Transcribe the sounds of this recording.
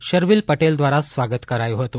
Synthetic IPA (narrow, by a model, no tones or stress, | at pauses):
ɕəɾʋiːlpəʈeld̪ʋaɾasʋaɡət̪kəɾajoɦot̪o